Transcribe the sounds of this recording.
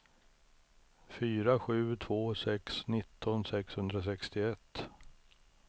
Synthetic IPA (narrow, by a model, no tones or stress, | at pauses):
fyːɾaɧʉ̟ːt̪ʰv̥oːsɛksnɪt̪ʰːɔnsɛkshɵnd̪ɾas̬ɛkst̪ɪɛt̪ː